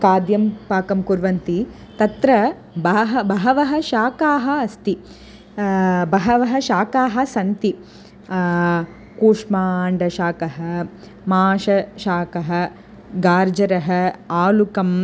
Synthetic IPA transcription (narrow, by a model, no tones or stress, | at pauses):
kaːd̪jɐmpaːkɐmkuɾʋɐnt̪i | t̪ɐt̪ɾɐ | bɐɦɐbɐɦɐʋɐɦɐ̆ʃaːkaːɦɐɐst̪i | bɐɦɐʋɐɦɐ̆ʃaːkaːɦɐ̆sɐnt̪i | kuːʂmaːɳɖɐʃaːkɐɦɐ̆ | maːʃɐʃaːkɐɦɐ̆ | ɡaːɾd͡ʒɐɾɐɦɐ̆aːlukɐm